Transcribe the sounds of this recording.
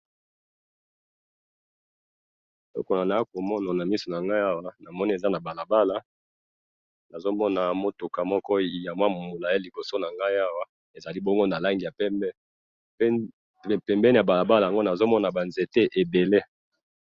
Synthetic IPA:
tɔ̰˦ko˨na˨na˨ja˦ko˨mɔ˦na˨na˨mi˦so˨na˨ŋɡa˦i˦a˦wa˦na˨mɔ˦ni˦e˨za˦na˨ba˨la˨ba˦la˦ | na˨zo˦mɔ˦na˨mo˦tu˨ka˨mɔ˦kɔ˦i˨ja˨mwa˦m˨mu˨la˨ja˦li˨bo˨so˦na˨ŋɡa˦i˦a˦wa˦ | e˨za˨li˦bɔ˦ŋɡo˦na˨la˦ŋɡi˨ja˨pɛ˦mbɛ˦ | p | pɛ˨mbɛ˦ni˨a˨ba˨la˨ba˦la˨a˨ŋɡo˦na˨zo˦mɔ˦na˨ba˨nze˨te˦ʔe˨be˨le˦

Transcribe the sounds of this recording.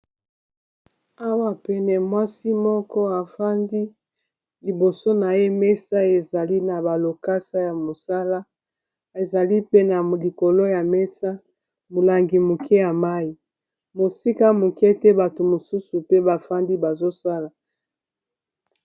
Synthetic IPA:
a˦wa˨pɛ˨nɛ˨mwa˦si˦mɔ˦kɔ˦a˨fa˦ndi˦ | li˨bo˨so˦na˨je˦mɛ˦sa˦e˨za˨li˦na˨ba˨lo˨ka˦sa˦ja˨mo˨sa˦la˦ | e˨za˨li˦pe˦na˨li˨ko˨lo˦ja˨mɛ˦sa˦ | mo˨la˨ŋɡi˨mu˨kʰɛ˦ja˨ma˦i˨ | mo˨si˦ka˦mo˨kɛ˦tɛ˦ba˨to˨mo˨su˦su˨pe˦ba˨fa˦ndi˦ba˨zo˦sa˦la˨

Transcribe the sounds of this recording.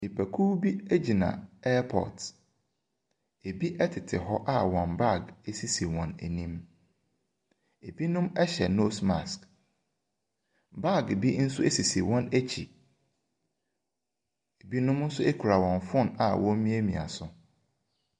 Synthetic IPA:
i˨pʰæ˨kʰuː˦bi˦æ˦d͡ʑi˨nã̰˨ɛ˦pʰɔ̰˨t | e˨bi˦ʔɛ˦tʰɪ˨tʰɪ˨ɦɔ˦ʔa˦wɔ̃˨nba˦˨ɡe˦si˦si˨wɔ̃˨næ̰˨nĩ˦m | e˨bi˦nʊ̃˦mɛ˦ɕɛ˨no˦sma̰˨sk | ba˦˨ɡbi˦n̩˦sʊ˦e˦si˨si˨wɔ̃˦næ˦t͡ɕʰḭ˨ | e˨bi˦nʊ̃˦mn̩˦sʊ˦e˦kʰu˨ɾa˨wɔ̃˨nfʊ̃˦na̰˨wʔɔ̃˦m˦mĩ˦æ˦mĩ˨a̰˨sʊ˨

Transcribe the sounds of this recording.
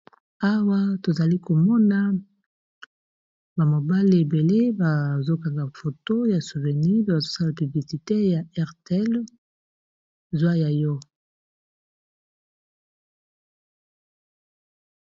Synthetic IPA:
a˦wa˦to˨za˨li˦ko˨mɔ˦na˦ | ba˨mo˨ba˦li˨e˨be˨le˦ba˨zo˦ka˨ŋɡa˨fo˨to˦ja˨su˨vɛ˨ni˦a˨zo˦sa˦la˨py˨bli˨si˨te˦ja˨ɛ˦ʁte˨ɛ˦l | zwa˦ja˨jɔ˦

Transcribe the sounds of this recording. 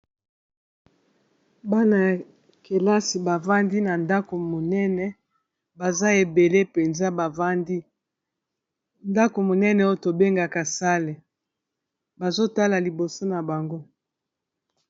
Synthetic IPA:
ba˦na˨ja˨ | ke˨la˦si˨ba˨va˦ndi˦na˨nda˦ko˨mo˨nɛ˦nɛ˨ | ba˨za˦e˨be˨le˦pe˨nza˦ba˨va˦ndi˦ | nda˦ko˨mo˨nɛ˦nɛ˨o˦to˨be˦ŋɡa˨ka˨sa˦le˨ | ba˨zo˦ta˦la˨li˨bo˨so˦na˨ba˨ŋɡo˦

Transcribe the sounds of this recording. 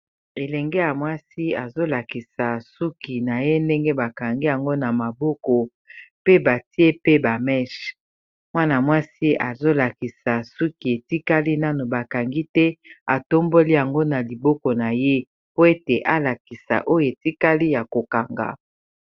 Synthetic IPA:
e˨lɛ˨ŋɡɛ˦ja˨mwa˦si˦a˨zo˦la˨ki˨sa˨su˦ki˨na˨je˦nde˦ŋɡe˦ba˨ka˨ŋɡi˦ja˨ŋɡo˦na˨ma˨bɔ˦kɔ˨ | pe˦ba˨ti˦e˦pe˦ba˨mɛ˦ʃ | mwa˦na˨mwa˦si˦a˨zo˦la˨ki˨sa˨su˦ki˨e˨ti˦ka˦li˦na˦no˨ba˨ka˨ŋɡi˦tɛ˦a˨to˦mbo˦li˦ja˨ŋɡo˦na˨li˨bɔ˦kɔ˨na˨je˦ | po˦e˦te˨ʔa˦la˨ki˨sa̰˨ʔo˦jo˨e˨ti˦ka˦li˦ja˨ko˨ka˨ŋɡa̰˨

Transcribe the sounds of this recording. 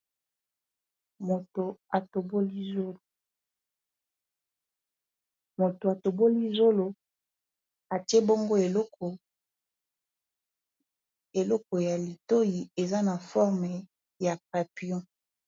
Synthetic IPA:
mo˨to˨a˨to˨bo˦li˦zo˦lo˨ | mo˨to˨a˨to˨bo˦li˦zo˦lo˨ | a˨ti˦e˦bo˦ŋɡo˦e˨lɔ˦kɔ˨ | e˨lɔ˦kɔ˨ja˨li˨to˦ji˨e˨za˦na˨fɔ˦ʁme˨ | ja˨pa˨pi˨ɔ̃˦

